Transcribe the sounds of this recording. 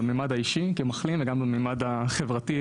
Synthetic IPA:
meːmad̪haiʃikemaχlimveɡambameːmad̪aχevʁati

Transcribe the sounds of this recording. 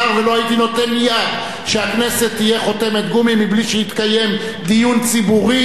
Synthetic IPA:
ʁvelo̞hait̪ino̞t̪e̞nmijad̪ | ʃeakne̞se̞t̪ːije̞χo̞te̞met̪ɡumimːibliʃehit̪kaje̞m | d̪ijunt͡sibuʁi

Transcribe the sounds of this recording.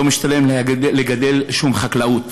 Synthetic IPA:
omiʃt̪alemːeɡad̪e̞lʃumχaklaut

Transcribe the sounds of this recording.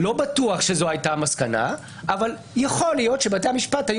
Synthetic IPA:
lo̞batuaχʃe̞zoajtamaskana̰ | ʔaval | jaχo̞ljo̞tʃebatejamiʃpathaj

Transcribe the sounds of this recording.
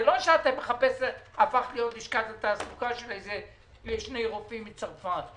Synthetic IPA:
elo̞ʃeat̪emːeχapesafaχlijo̞t̪liʃkat̪et̪asukaʃelejze | eʃnejʁofimːit͡saʁfat

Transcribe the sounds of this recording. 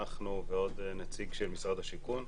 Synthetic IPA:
aχnuveo̞d̪nat͡siɡʃelmisʁad̪haʃikun

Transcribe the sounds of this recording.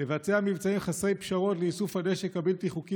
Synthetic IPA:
evat͡seamivt͡saimχasejpʃaʁo̞tleisufhadeʃekabelt̪iχuki

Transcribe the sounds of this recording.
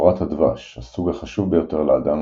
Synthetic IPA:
ʁat̪had̪va̰ʃhasuɡhaχaʃuvbejo̞t̪e̞ʁlead̪am

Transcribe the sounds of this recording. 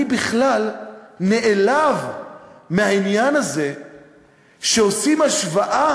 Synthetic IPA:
ibiχlalne̞ʔelavmeɦainjanaze̞ | ʃeo̞simaʃvaʔa

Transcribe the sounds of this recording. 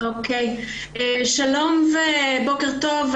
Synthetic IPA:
okʰej | eʃalo̞mvebokeʁt̪o̞v

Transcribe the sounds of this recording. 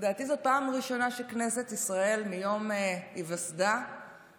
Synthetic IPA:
daːt̪izopaːmʁiʃo̞naʃekneset̪isʁae̞lmijo̞mivasd̪a

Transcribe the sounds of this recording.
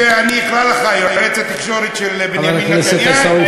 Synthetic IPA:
eaniiχlalaχajajʁet͡sat̪iχʃoɾet̪ʃelbvalaknɛset̪asau

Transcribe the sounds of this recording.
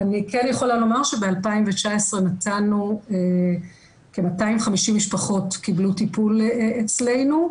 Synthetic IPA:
anikenjeχo̞lalo̞maʁʃebealpaimvet͡ʃaesʁenatanue | kemataimχamiʃimːiʃpaχo̞tkiblutipulet͡sle̞jnu

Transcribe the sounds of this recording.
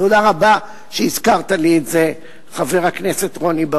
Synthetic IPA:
todaʁaba | ʃeizkaʁt̪alietze | χaveʁhaknese̞t̪ʁo̞niba

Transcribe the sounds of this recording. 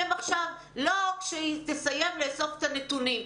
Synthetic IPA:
emaχʃav | lo̞kʃet̪esaje̞mleːso̞fet̪anetunim

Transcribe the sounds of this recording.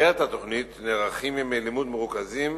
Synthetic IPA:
eat̪at̪oχnit̪neʁaχimimelimud̪meʁukazim

